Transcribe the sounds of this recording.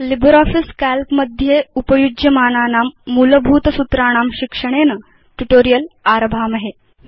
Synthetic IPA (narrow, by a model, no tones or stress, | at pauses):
libɾɔːfiskælkməd̪ʱjeupəjud͡ʒjəmaːnaːnaːmːuləbʱuːt̪əsut̪ɾaːɽ̃aːmɕikʂəɽ̃enə | ʈuʈoːɾijəlaːɾbʱaːmɐɦe